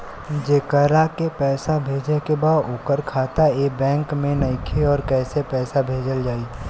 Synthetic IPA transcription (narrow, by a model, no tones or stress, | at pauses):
d͡ʒeːkəɾakepɛːsabʱeːd͡ʒekebaːd̪ʊːkəɾkʰaːt̪aeːbɛ̃ːŋkmẽnɐɪkʰeɔːɾkɛːsepɛːsabʱeːd͡ʒəld͡ʒaːiː